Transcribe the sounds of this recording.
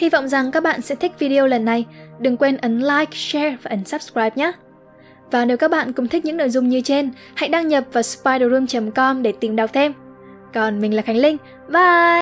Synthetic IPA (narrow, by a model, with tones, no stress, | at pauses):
hi˧vɔ̰˧˨wŋ͡mza˨˩ŋkaː˦˥k̚ɓa̰ː˧˨nsɛ̰˧˥t̪ʰï˦˥k̟̚vi˧ɗi˧o˧lə˨˩nːa˨˩jɗɨ˨˩ŋkwe˧nʔə˨˦nlaː˧jksɛ˧vaː˨˩ʔə˨˦n̟saː˦˥p̚skɹaː˧jp̚ɲaː˦˥ | vaː˨˩ne˨˦wkaː˦˥k̚ɓa̰ː˧˨nkʊ̰˧˥ŋ͡mt̪ʰi̟˦˥ɲɨ̰˧˥ŋno̰˧˨jzʊ˧ŋ͡mɲɨ˧t͡ɕe˧n | ha̰˧˨jɗaː˧ŋɲə˨˩p̚vaː˨˩spaː˧jɗo˨˧˩zu˧mt͡ɕə˨˦mkɔ˧mɗe˧˩t̪i˨˩mɗa˨˩k͡p̚t̪ʰe˧m | kɔ˨˩nmi˨˩ŋ̟laː˨˩xa˧˩jŋ̟lï˧ŋ̟ | və˧